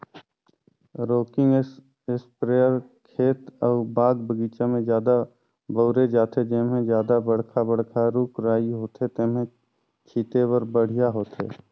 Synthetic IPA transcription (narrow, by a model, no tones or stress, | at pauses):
ɾoːkɪ̃ŋɡ | ɪspɾeːəɾkʰeːt̪ɔːɾbaːɡbəɡiːt͡ʃamẽd͡ʒjaːd̪a | bəːɾed͡ʒaːt̪ed͡ʒeːmẽd͡ʒjaːd̪abəɽ̤kʰabəɽ̤kʰaɾuːkɾaːiɦoːt̪ɦet̪eːmẽ | t͡ʃʰiːt̪ewəɾbəɽ̤ijaɦoːt̪ɦḛː